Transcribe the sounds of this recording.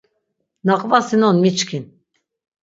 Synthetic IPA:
naqʼvasinɔnmit͡ʃkʰin

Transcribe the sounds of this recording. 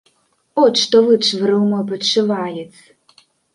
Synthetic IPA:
ɔt͡ɕʂt̪ɔvɨt͡ʂvɨɾɨwmɔjp̬ɐt͡ʂːɨvajɛs

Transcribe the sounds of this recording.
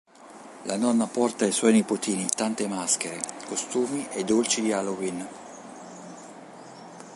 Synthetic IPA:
lʔanɔnːapɔrt̪aijswɔjnipot̪iːnit̪ant̪emask̟eɾḛkost̪uːmiʔed̪ːolt͡ʃid̪ialoɡin

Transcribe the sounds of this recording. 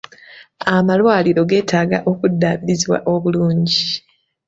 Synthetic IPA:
amalwaːliɾo̞ɡe̞ːtʰaːɡaʔo̞kudːaːβiɾiziwa̰ʔo̞βuluːɲɟi

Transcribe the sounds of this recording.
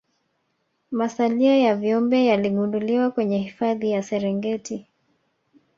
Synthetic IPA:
masaliajavjɔmbɛjaliɠunduliwakwɛɲɛhifaðijasɛɾɛŋɡɛti

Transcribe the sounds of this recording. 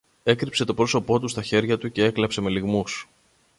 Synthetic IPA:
e̞kɾipse̞t̪o̞pɾo̞so̞po̞t̪ust̪ɐçe̞ɾʝɐt̪uce̞e̞klɐpse̞me̞liɣmus

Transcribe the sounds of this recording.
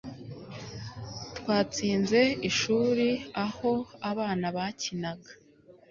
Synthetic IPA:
twaːt͡siːnze̞iʃuːɾiaho̞aβaːnaβacinaɡḁ

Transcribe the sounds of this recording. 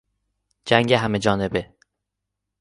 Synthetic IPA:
d͡ʒæŋɡeɦæmed͡ʒɒːne̞be

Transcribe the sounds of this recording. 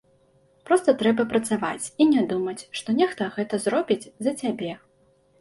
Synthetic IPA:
pɾɔst̪ɐt̪ɾɛbɐpɾɐt̪sava̰t͡sʲinʲɛd̪umɐt͡sʲʂt̪ɔnʲɛxt̪ɐɣɛt̪ɐzɾɔbʲid͡zʲzɐt͡sʲabʲɛ

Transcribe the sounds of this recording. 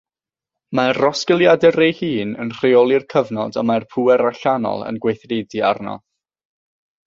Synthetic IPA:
marɔskəlˠjadɛrejhiːnənr̥eɔlˠɪrkʰəvnɔdamarpʰuɛɾaɬanɔ̰lˠə̰nɡwejθrediarnɔ̰

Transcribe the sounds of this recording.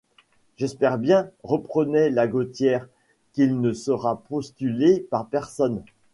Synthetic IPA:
ʒ̥ɛspɛʁbjɛ̃ʁəpχənelaɡot̪jɛːʁ | kilnəsəʁapɔst̪ylepaʁpɛʁsɔn

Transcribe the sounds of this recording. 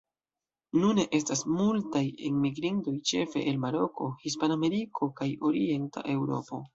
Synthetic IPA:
nune̞ʔe̞s̬tasmultajḛnmiɡɾinto̞jt͡ʃe̞fe̞̰ʔelmaɾo̞kʰo̞hispaname̞ɾikʰo̞kajo̞ɾie̞nta̰ʔe̞wɾo̞̰po̞

